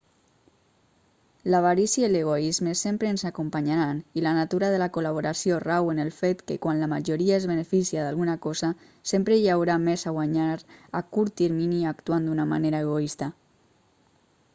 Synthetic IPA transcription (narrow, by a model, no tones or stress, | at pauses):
laβaɾisjeleɣ̞oizmesempɾeːnzakumpaɲaɾanilanat̪uɾaðelakolaβ̞oɾasjorawenelˠfet̪kekwanlamaʒoɾiaezβenefisiaðalɣunakɔza | sempɾejawɾamezaɣwaɲaɾakuɾt̪iɾminiakt̪uand̪unama̰neɾaeɣ̞oist̪a